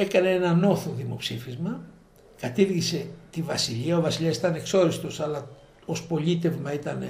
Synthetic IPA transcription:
e̞kɐne̞enɐno̞θoðimo̞psifizmɐ | kɐt̪iɾʝise̞t̪ivɐsiʎiɐovɐsiʎɐsi̥t̪ɐne̞kso̞ɾist̪o̞sɐlɐ | o̞spo̞lit̪e̞vmɐit̪ɐn

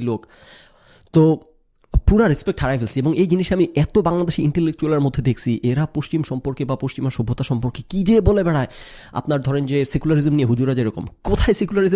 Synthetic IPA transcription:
lok | t̪o | puɾaɾespek̚ʈʰaɾajbʱelsieboŋejd͡ʑiniʃamiʔɛt̪obaŋlad̪eʃiiɳʈelek̚t͡ɕualeɾmod̪ʱːed̪ekʰt͡ɕʰiʔeɾapoʃt͡ɕimʃɔmpoɾkebapoʃt͡ɕimaɾʃobʱːot̪aʃɔmpoɾkekid͡ʑebolebɛɽae | a̰pnaɾd̪ʱɔɾend͡ʑesekulaɾizemnieɦud͡ʑuɾad͡ʑeɾɔko̰mkot̪ʰaesekulaɾiz

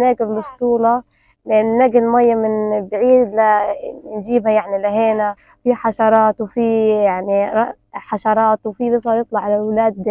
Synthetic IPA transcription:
naːɡɪlbʊst̪ˤuːlɑ | lʔɪnːɪnːaːɡɪllmajːamɪnbʕiːd̪land͡ʒiːbhajaʕnilaɦeːna | fiħaʃɑɾˤɑːt̪wfijaʕni | ħaʃɑɾˤɑːt̪wfibɪsˤɑɾjɨt̪ˤlɑʕalawlaːd̪

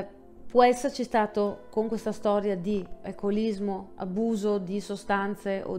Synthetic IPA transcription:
pwɔɛsːeɾt͡ʃist̪aːt̪okoŋkwest̪ast̪ɔːɾjad̪iekolizmoa̰buːzod̪isost̪ant̪seʔo̰

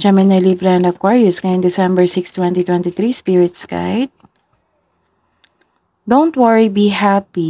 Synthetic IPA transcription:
d͡ʒamɪnɐlibɾɛnɐkwaɹiʊskaɪnd̪ɛsɛ̃mbɛɹsɪkst̪wɛ̃nt̪it̪wɛnt̪iθɾispiɹɪt̪ska̰jd̪̚ | d̪ownt̪̚wɔɹibihapi

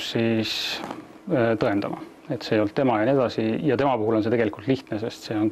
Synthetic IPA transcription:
sis | t̪ɤe̞nd̪̥ɑmɑ̰ | e̞t̪se̞ːjo̞lt̪ːe̞mɑjɑnie̞d̪̥ɑsijɑt̪e̞mɑpuɦulo̞ns̬e̞t̪eɡe̞likult̪liht̪nese̞st̪se̞o̞n

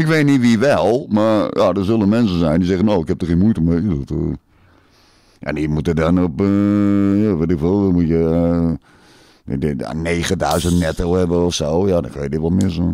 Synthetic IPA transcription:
ɪkʋeːtniʋiʋɛlˠmaɹjadəɹsølˠənmɛnsən̩zɛjndizɛɣənoːɪkhɛp̚əχxiːənmujtəmedɔt | ʔa̰ndimutədɔnɔp | jaʋɪtɪkʋɪlˠdɔmutjə | a̰neːɣədœɥzəntnɛtəlhɛbəɔfsoːjadɔnkʰøjədɪtʋɔlˠtmɪsun

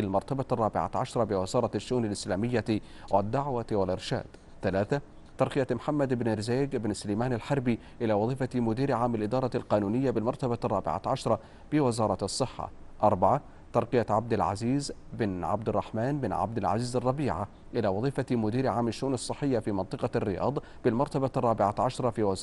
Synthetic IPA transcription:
ɪlmɑɾˤt̪abarˤːɑːbɪʕa̰ʕaʃɾˤɑbɪwɪzɑːɾˤɑʃːʊʔuːnalʔɪslaːmɪjːa | wɪd̪ːaʕwawɪlʔɪɾʃa̰ːd̪̥ | θalaːθa | t̪ɑɾˤqɪjamħamːad̪ʔɪbnʔɪɾzaːɡʔɪbnsʊlajmaːnalħɑɾˤbi | ʔɪlaːwɑðˤiːfamʊd̪iːɾʕaːmɪlʔɪd̪ɑːɾˤɑlqɑːnuːnɪjːabɪlmɑɾˤt̪abarˤːɑːbɪ̰ʕa̰ʕɑʃɾˤɑ | b̥ɪwɪzɑːɾˤɑɑsˤːɨħːɑ̰ʔɑɾˤbaʕa | t̪ɑɾˤqɪjaʕab̚d̪ɪlʕa̰ziːzbɪnʕa̰bd̪ɪrˤːɑ̰ħmaːnbɪnʕa̰bd̪ɪlʕa̰ziːzɑrˤːɑbiːʕa̰ | ʔɪlawɑðˤiːfamʊd̪iːɾʕaːmaʃːʊʔuːnɑsˤːɨħːɪjːafiːmɑnt̪ˤɨqɑrːɪjɑ̰ːd̪ˤ | b̥ɪlmɑɾˤt̪abarˤːɑːbɪʕaʕɑʃɾˤɑfiwɪz

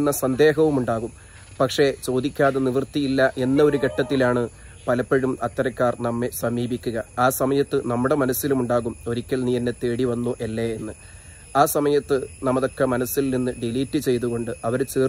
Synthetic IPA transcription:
nːɐsɐnd̪e̞ːɦɐʋumuɳɖaːɣum | pɐkʂe̞t͡ɕo̞ːd̪ikʲːaːðeniʋrt̪ːijilːɐʔe̞nːɐoɾuke̞ʈːɐt̪ːilaːɳɨ | pɐlɐpːeɻumɐt̪ːɐɾɐkʲːaːrnɐmːe̞sɐmiːbikʲːuɣɐaːsɐmɐjɐt̪ːɨnɐmːuɽe̞mɐnɐsilumuɳɖaːɣumo̞ɾikʲːɐlnijɐnːet̪ːe̞ːɽiʋɐnːuʔelːeenːɨ | aːsɐmɐjɐt̪ːɨnɐmɐðo̞kːe̞mɐnɐsilninːɨɖiliːtːɨt͡ɕe̞jt̪uɣo̞ɳɖɨɐʋɐɾt͡ɕiːr

